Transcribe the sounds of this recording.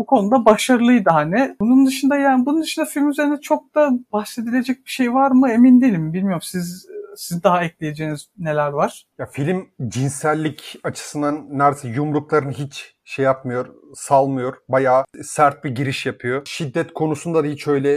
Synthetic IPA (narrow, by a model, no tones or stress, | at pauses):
bukʰo̞nud̪abaʃaɾɯlˠɯjd̪ɯhanɪbunund̪ɯʃɯnd̪ajaːnɪbunund̪ɯʃɯnd̪afilʲmyze̞ɾind̪ɛt͡ʃʰo̞k̚d̪abaxse̞d̪ilʲe̞d͡ʒɛc̚biʃejvaɾmɯe̞mind̪ilʲimbilʲmijo̞ɾumsizsizd̪aɦaɛclʲeje̞d͡ʒeːnizne̞lʲæɾvaɾ̥jafilʲmd͡ʒinsælʲːicat͡ʃʰɯ̥sɯnd̪anːæɾsɛjumɾuklˠaɾɯnɯɦit͡ʃ | ʃejːapmɯjo̞ɾsalˠmɯjo̞ɾbajaːsæɾt̪̚biɟiɾiʃjapʰɯjo̞ʃid̪ːɛt̪kʰo̞nusund̪ad̪ahit͡ʃø̞jlʲɛ